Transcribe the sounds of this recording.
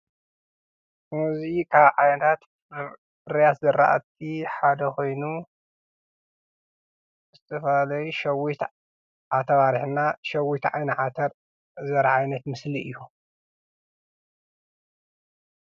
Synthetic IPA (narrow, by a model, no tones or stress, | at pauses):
muzikʰaβʕajnɐt̪ʰat̪ | bɨɾjat̪zɨɾːa̰ʔat̪ʰːiħad̪ɐko̞jnu | zɨt̪ʰɐfɐlalɐjuʃɐwit̪ | ʕat̪ʰɐβaɾħnaʃɐwit̪ʕajnɨʕat̪ʰɐɾ | zɐɾʕajnɐt̪mɨsliʔɨjːu